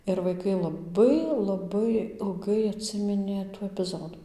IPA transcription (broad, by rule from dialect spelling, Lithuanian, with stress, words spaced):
ɪr ʋɐɪˈkɐɪ lˠɐˈbɐɪ lˠɐˈbɐɪ ɪlˠˈɡɐɪ ɐtʲˈsʲɪmʲɪnʲeː tuː ɛpʲɪˈzoːdʊ